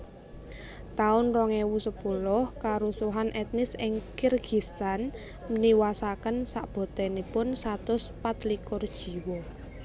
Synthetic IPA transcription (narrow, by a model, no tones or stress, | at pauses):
t̪aʊnrɔŋewusəpulʊhkaɾusuɦanʔɛt̪nɪsɪŋkirɡ̥i̤st̪an | niwasakənsaʔb̥ɔ̤t̪ɛnipʊnsat̪ʊspat̪likʊrd̥ʒ̥i̤wɔ